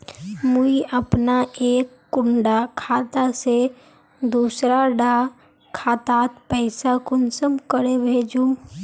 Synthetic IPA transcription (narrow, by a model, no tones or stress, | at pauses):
muiəpnaʔeːkːʊɳɖakʰaːt̪ase | d̪uːsɾaɖaː | kʰaːt̪aːt̪pɛɪsakʊnsəmkəɾebʱeːd͡ʒũː